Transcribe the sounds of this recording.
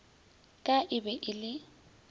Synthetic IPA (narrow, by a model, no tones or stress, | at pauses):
kʼaʔɪbɛʔɪlɪ